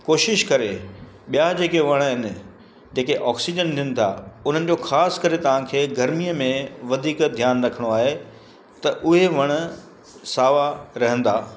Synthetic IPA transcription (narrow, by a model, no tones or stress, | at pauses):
koːʃɪʃkɐɾe | ɓijad͡ʑeːkeʋɐɽ̃ɦɪnɪ̆ | d͡ʑeːkeʔɔːksid͡ʑənt̪ʰijunɪ̆t̪ʰa̰ʊn̤ənɪ̆d͡ʑoːxaːskɐɾet̪ɐʋ̤ãkʰeːɡɐɾmijəmẽʋɐd̪ʱiːkd̪ʱjaːnɾɐkʰəɽ̃oaːɦe | t̪ɐʔʊɦeʋɐɽ̃ə̆ | saːʋaɾɐɦə̃nd̪aː